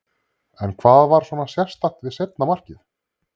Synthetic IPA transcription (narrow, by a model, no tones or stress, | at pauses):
ɛnkʰvaːðvaɾ̥swɔːnasjɛst̪aht̪vɪðsejt̪namar̥cɪθ